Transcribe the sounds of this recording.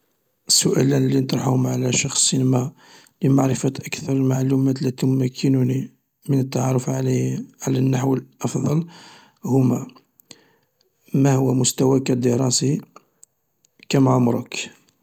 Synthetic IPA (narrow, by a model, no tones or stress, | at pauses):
sːʊʔæ̰lænlːinət̪ˤɾˤɑħuhmʕlæʃɑxssinmæ | ləmaʕɾəfæt̪ʔəkt̪ɑɾˤlmaʕlumæt̪læt̪ummːækʰːənuni | mənət̪ːɑʕɑɾˤəf | ʕalænːaħwəlʔɑfd̪ˤɑl | hʊmæ | mæhʊwːæmʊst̪æwækæd̪əɾˤɑsi | kæmʕʊmɾˤək